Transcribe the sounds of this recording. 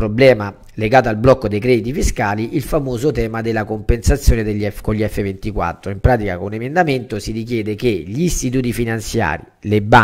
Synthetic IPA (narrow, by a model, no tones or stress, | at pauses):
pɾoblɛːma | leɡaːt̪oalblɔkːod̪ejkɾɛd̪it̪ifiskaːliʔilfamoːzot̪ɛːmad̪elːakompensat̪sjoːned̪eʎːɛkoʎːiɛfːevent̪ikwa̰t̪ːɾoimpɾaːt̪ikakonemend̪ament̪osiɾik̬jɛːd̪ek̟eʎiːst̪it̪uːt̪ifinant̪sja̰ːɾileba